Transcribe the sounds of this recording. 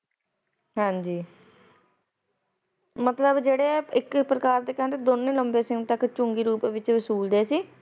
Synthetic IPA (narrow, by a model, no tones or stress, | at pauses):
ɦãːɲd͡ʒiː | mət̪ləbd͡ʒeːɽeːɪkpɾəkaːɾd̪eːkɛ̃ːnd̪eːd̪onːẽːləmbeːsɪ̃ŋt̪əkt͡ʃʊŋɡiːɾuːpːʋɪt͡ʃʋəsuːld̪eːsiː